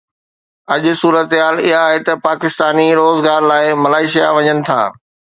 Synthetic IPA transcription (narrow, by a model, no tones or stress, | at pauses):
ɐʄʊ̆suːɾət̪ɦaːlɪɦaːɦet̪ɐpaːkɪst̪aːniɾoːzɡaːɾlaːɪmɐlaːɪʃijaʋɐɲənɪ̆t̪ʰa̰ː